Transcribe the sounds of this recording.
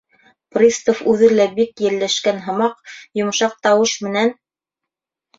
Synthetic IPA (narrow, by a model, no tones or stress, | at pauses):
prʲist̪ofʉðɘlæbikjɘ̆ɾlæʃkænɦɤ̆mɑqjŏmɤ̆ʃɑq̚t̪ɑwɤʃmɘ̆næn